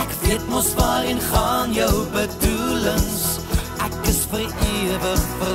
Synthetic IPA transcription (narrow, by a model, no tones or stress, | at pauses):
ækviətmɔsvɑːɾənχɑːnjœwbəduləŋs | ækəsfəriəvəχfər